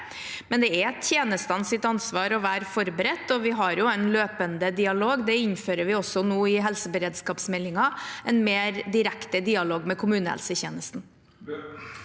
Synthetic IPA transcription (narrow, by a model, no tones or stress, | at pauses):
mɛnd̪ɛɛt̪ʰjeːnəst̪ɑnsɪt̪ɑnsʋɑːɾɔʋæːɾfɔɾbəɾɛt̪ːɔʋɪɦɑɾjʊɛnløːpənd̪əd̪ɪɑloːɡd̪ɛɪnføːɾəʋɪɔsːɔnoːɪɦɛlsəbəɾeːd̪skɑːpsmɛlːɪŋɑʔɛnmeːɾd̪ɪɾækt̪əd̪iːɑloːɡmɛkʰʊmʉːnəhɛ̰lsəçeːnəst̪n̩